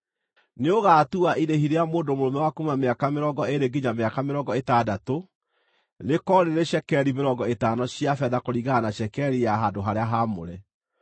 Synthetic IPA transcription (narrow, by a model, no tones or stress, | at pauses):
neoɣaːtuaʔiɾehiɾeamoːndomoɾomɛwakumameakameɾɔɡɔeɾeɡiɲameakameɾɔŋɡɔetaːdato | nekɔɾeɾeɕɛkɛɾimeɾɔɡɔetanɔɕjafɛðakoɾiɣaanaɕɛkɛɾijaɦadoɦaɾeaɦamo̰ɾɛ